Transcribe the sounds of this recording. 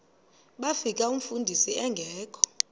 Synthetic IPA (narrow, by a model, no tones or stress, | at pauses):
ɓafikʼaum̩fundʱisiɛŋɡʱɛːkʰɔ̥